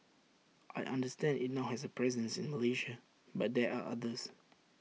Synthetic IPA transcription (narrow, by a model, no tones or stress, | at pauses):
ʔajʔã̰ndəstɛ̃ndɪt̚naʊhɛsəpʰɹɛzə̃nsɪ̃nməleʃa | bat̚dɛaʔa̰dəs